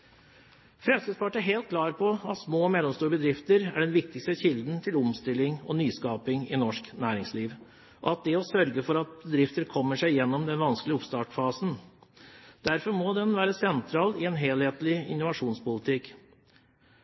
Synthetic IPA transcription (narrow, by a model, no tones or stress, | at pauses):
fɾɛmskɪspɑʈəɦeːlt̪̚kʰlɑːɾpʰɔɑt̪smoːmɛlːɔmst̪uːɾəbəd̪ɾɪft̪əɾæɖɛnʋɪk̚t̪ɪkst̪əçɪld̪n̩t̪ʰɪlʊmst̪ɪlɪŋɔ̰nyːskɑːpɪŋɪnɔʂknæːɾɪŋsliːʋ | ʔɔ̰ɑt̪̚d̪ɛɔsœɾɡəfɔɾɑt̪̚bəd̪ɾɪft̪əɾkʰɔmːəʂæɪjɛnːɔmd̪ɛnʋɑnsklɪɔpst̪ɑːʈfɑːsn̩ | d̪̥æɾfɔɾmɔd̪ɛnʋæːɾəsɛnt̪ʰɾɑːlɪɛnɦeːlheːt̪lɪɪ̰nːʊʋɑʂuːnspʊlɪt̪ʰɪk